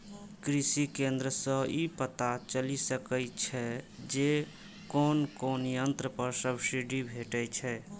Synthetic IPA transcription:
kɾisikẽnd̪ɾəsə̃ipət̪at͡ʃəlisəkɛt͡ʃʰɛd͡ʒe | konkonijənt̪ɾəpəɾsəbsiɖibʱeʈɛt͡ʃʰɛ

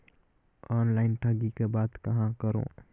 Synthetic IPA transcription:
ɔːnlaːɪnʈʰaɡikebaːd̪kɐɦãkəɾõ̰ː

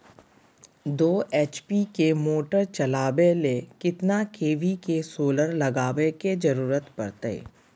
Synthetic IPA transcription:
d̪oːʔeːt͡ʃpikemoːʈəɾt͡ʃɐlaːbelekɪt̪nakʰeːʋikesoːləɾlɐɡaːʋeked͡ʒɐɾuːɾət̪pɐ̰ɾt̪ḛː

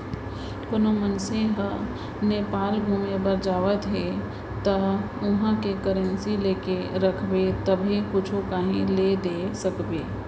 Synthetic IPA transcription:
pʊnomənsẽɦə | neːpaːlbʱumebəɾd͡ʒaːʋət̪ɦe | t̪ə | ʊɦãkekəɾənsileːkeɾəkʰbet̪əbʱekʊt͡ʃʰokaːɦĩled̪esəkbeː

